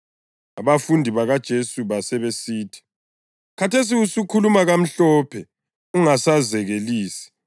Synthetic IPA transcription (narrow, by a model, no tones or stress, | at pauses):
aβafundʱiβaɣad̥ʒ̥ʱesuβasɛβesiːtʰi̥ | kʰatʰes̬iusukʰulumaɣam̩ɬɔːpʰɛ | uŋasazɛɣeliːsi̥